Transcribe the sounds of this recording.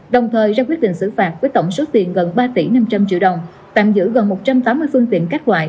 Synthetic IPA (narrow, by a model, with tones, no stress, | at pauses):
ɗə˨˩wŋ͡mt̪ʰəː˨˩jzaː˧kwi˦˥t̚ɗḭ̈˧˨ŋ̟sɨ̰˧˩faː˨˩t̚vəː˨˦jt̪ə˧˩wŋ͡mso˨˦t̪i˨˩ənɣə˨˩nɓaː˧t̪i˧˩na˧mt͡ɕa˧mt͡ɕḭ˧˨wɗə˨˩wŋ͡m | t̪a̰ː˧˨mzɨ̰˧˥ɣə˨˩nmo˨˩t̚t͡ɕa˧mt̪aː˨˦mːɨ˧əjfɨ˧ənt̪ḭ˧˨ənkɛ˦˥k̚wa̰ː˧˨jʔ